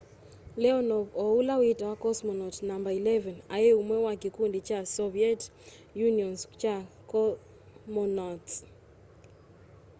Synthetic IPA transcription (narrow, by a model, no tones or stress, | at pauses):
lɛɔnɔvɔulawitawakɔsmɔnɔtnambailɛvɛnajeumwɛwakikundit͡ʃasɔviɛt | juniɔnst͡ʃa | kɔ | mɔnɔts